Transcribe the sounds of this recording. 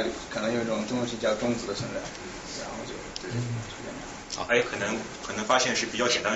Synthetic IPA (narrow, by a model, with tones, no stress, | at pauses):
ly̰˨˩kʰɤ˨˩nɤ˧˥ŋjo˨˩ʊi˥˩ʈ͡ʂʊ˨˩ŋt̪u˥ŋu˥˧˩ʂɻ̩˥˧t͡ɕjɑ˥˩ʊʈ͡ʂʊ˥ŋt͡sɹ̩˧˥d̪ə˧sʰə˧˥˧nt͡sa˥˩ɪ | ɻa˧˥nxo˥˧ʊt͡ɕjo˥˧ʊt̪we˥˧˩t͡ɕʰo˥ka̰˥˩na̰˧˥ | ɑ̰˧ʔe˥˩kʰɤ˨˩nɤ˧˥ŋkʰɤ˨˩nɤ˧˥ŋfa˥ɕjɛ˥˧nʂɻ̩˥˩pi˨˩t͡ɕjɑ˥˩t͡ɕɛ˨˩nt̪a˥